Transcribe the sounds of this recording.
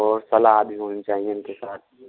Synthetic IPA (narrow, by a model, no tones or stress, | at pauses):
ɔːɾsɐlabʱiɦoːnit͡ʃaːɦiẽʊ̃nkesaːt̪̚ʰ